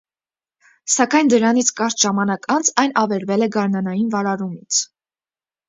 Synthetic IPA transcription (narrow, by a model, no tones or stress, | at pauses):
sɑkɑjnd̪əɾɑnit͡sʰkɑɾt̪ʒɑmɑnɑkʰɑnd͡zʰɑjnʔɑvɛɾvɛlɛɡɑɾnɑnɑjinvɑɾɑɾumit͡sʰ